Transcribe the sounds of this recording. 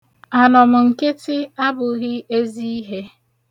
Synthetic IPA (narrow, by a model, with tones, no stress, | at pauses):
a˨nɔ˨mʊ˨ŋ̩˨ke˦tɪ˦a˦bʊ˨ɣɪ˦e˦zi˦i˦ɦe˦